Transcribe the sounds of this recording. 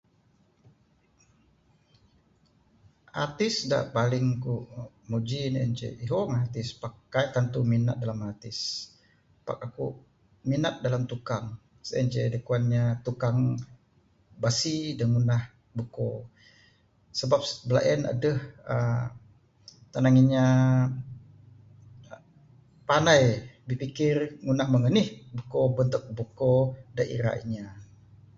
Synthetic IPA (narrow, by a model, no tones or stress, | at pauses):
ʔa̰t̪ɪsda̰ʔpalɪŋkuʔ | mud͡ʒinɛ̰nt͡ʃḛʔiɦomat̪ɪspakːajt̪ant̪uminat̪̚dalamat̪ɪs | pa̰k̚aku | minat̪̚dalamt̪ukaŋ | sɛ̰nt͡ʃedəkuanɲat̪ukaŋ | basidanŋunah | buko | səbap̚bəla̰ʔəna̰dəhə | t̪anaŋiɲa | panajbipikɪrŋunahməŋənɪhbəkobənt̪ʊk̚bukodaʔḭɾa̰ḭɲa